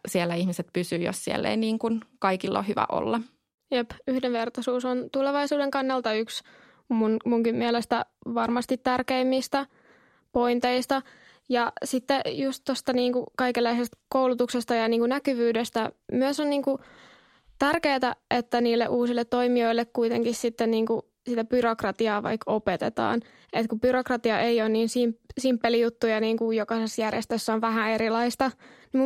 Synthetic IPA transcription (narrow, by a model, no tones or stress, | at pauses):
sielːæihmiset̪pysyːjo̰ssiḛlːḛiniːŋkunkɑikilːo̰ːhyʋæ̰ʔo̰lːɑ | jepyhdeʋʋert̪ɑsuːsont̪uleʋɑisuːdeŋkɑnːɑlt̪ɑyks | munmuŋkimmiɛlest̪æʋɑrmɑst̪it̪tærkeimːist̪æ | po̞int̪eist̪ɑ | jɑsit̪ːejust̪tost̪ɑniːŋkukɑikelːæisest̪koulut̪uksest̪ɑjɑniːŋkunækyʋyːdest̪æmyøsonniːŋku | t̪ærkeːt̪æʔet̪ːæniːlːḛʔuːsilːet̪t̪ːoimioilːekkuit̪eŋkissit̪ːenniːŋku | sit̪æbyrokrɑt̪iɑːʋɑ̰ikopet̪ḛt̪ɑ̰ːn | et̪kubyrokrɑt̪iɑʔeionniːnsimsimpːelijut̪ːujɑniːŋkujokɑsesjærjḛst̪øsːoʋʋæɦæeɾilɑist̪ɑni